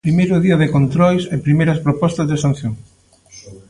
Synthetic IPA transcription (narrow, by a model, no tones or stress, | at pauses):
pɾimejɾʊðiɐðɪkont̪ɾɔjsepɾimejɾɐspɾopɔst̪ɐzðesan̟θjoŋ